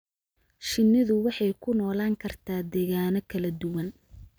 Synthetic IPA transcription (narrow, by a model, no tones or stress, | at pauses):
ʃɪnːɪðʊwɑħɑjkʰʊnɔːlaːŋkʰɐrt̪ʰaːd̪ɛːɣaːnɔkʰɐlɐd̪ʊwɐn